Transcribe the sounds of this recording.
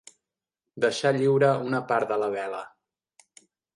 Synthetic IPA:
d̪əʃaʎiwɾəunəpaɾd̪ələβɛlə

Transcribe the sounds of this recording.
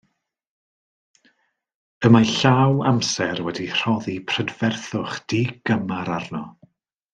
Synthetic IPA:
əmaɬawamsɛrwɛdir̥ɔðipʰr̥ədvɛrθʊχd̥iːɡ̥əmaɾarnɔ

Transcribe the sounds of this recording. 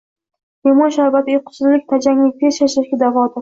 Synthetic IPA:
emɒnʃaɾbat̪ʰɪjqʰʊ̥t̪sɪzlɪk̚ʲt̪ʰad͡ʒaŋlɪɡ̚ʲd̪eʃaʃɪɾɡʲɪd̪avɒd̪ɪ

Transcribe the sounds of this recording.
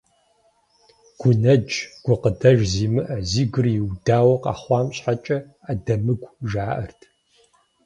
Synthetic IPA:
ɡ̥ʷʊnɐd͡ʒʼɡ̥ʷʊqədɐʒziːmɨʔɐziːɡɨrjɪwdaːwɐqɑ̰ːχʷɑːmɕħat͡ʃʼɐ | adɐmɨɡʷʒaːʔɐ̰rtʰ

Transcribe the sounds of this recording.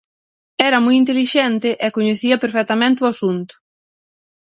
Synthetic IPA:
ɛɾɐmujint̪eliʃɛnt̪ɪʔɛkoɲeθiɐpeɾfɛt̪ɐmẽnt̪ɪʊasunt̪ʊ̥

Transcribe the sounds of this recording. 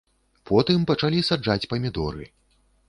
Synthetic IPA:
pʰɔt̪ɨmpɐt͡ʂalʲisad͡ʐat͡sʲpɐmʲid̪ɔɾɨ̰

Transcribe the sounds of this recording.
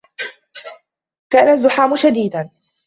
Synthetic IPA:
kaːnazːʊħaːmʊʃad̪iːd̪an

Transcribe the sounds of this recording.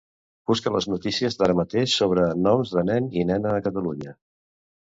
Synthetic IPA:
b̥uskələ̰znut̪isiəzðaɾəmət̪eʃsoβɾənɔmzðənɛninɛnəːkət̪əluɲə

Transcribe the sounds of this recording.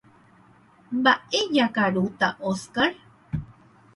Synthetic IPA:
mbaʔejakaɾut̪aʔoskaɾ

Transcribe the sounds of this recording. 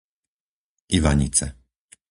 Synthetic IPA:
iʋaɲḭt͡sɛ

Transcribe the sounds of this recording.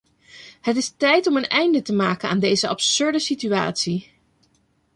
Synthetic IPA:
hətɪstɛjtɔmənɛjndətəmaːkəna̰ːndejzəʔɑpsɵɹdəsitya̰ːtsi

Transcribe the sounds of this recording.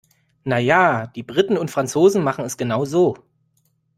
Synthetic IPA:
najaːd̥iːbʁɪtn̩ʊntfʁ̥ant͡soːzn̩maχn̩ɛsɡ̥ənaʊzoː

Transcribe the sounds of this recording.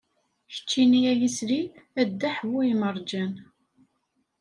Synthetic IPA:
çə̥t͡ʃːinijæjisɾiæd̪ːæħvuiməɾˤd͡ʒæn

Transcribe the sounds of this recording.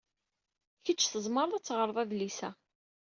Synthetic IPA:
çət͡ʃːθəzˤməɾˤæt͡sːʁəɾˤðˤæðlisæ

